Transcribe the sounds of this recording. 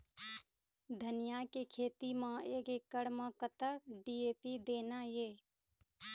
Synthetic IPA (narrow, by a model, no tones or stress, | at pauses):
d̪ʱənɪjakekʰeːt̪imãeːkeːkːəɽməkət̪əɾɖiːeːpid̪eːnajeː